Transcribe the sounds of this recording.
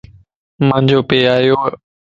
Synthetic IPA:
mə̃ːɲd͡ʑoːpeːaːjoː

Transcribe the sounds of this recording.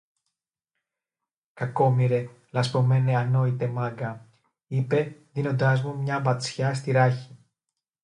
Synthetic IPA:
kɐko̞miɾe̞ | lɐspo̞me̞neɐno̞it̪e̞mɐɡɐ | ipe̞ðino̞nd̪ɐzmumɲɐbɐt͡sçɐs̬t̪iɾɐçi̥

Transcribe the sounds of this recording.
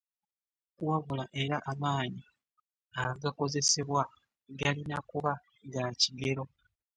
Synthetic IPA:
kuwaβulaʔe̞ɾaʔːmaːɲi | aɡako̞ze̞se̞βwa | ɡalinakuβa | ɡaciɡe̞ɾo̞

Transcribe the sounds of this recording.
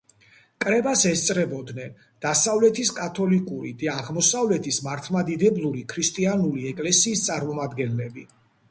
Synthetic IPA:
kʼɾɛbasɛst̪sʼɾɛbɔd̪nɛn | d̪̥asavlɛt̪ʰiskʼat̪ʰɔlikʼuɾid̪aːʁmɔsavlɛt̪ʰismaɾt̪ʰmad̪id̪ɛblˠuɾikʰɾist̪ʼianuliɛkʼlɛsiːst̪sʼaɾmɔmad̪ɡɛnlɛbi

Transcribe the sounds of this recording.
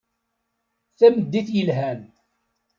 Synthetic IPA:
θæməd̪ːiθjəlɦæn

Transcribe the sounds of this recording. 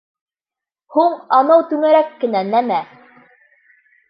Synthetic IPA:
huɴɑnɤwt̪ʉŋæɾækːɘ̆nænæmæ

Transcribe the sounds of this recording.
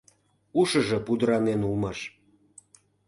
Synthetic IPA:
uʃə̆ʒɤ̆pud̪əɾɑnenulmɑʃ

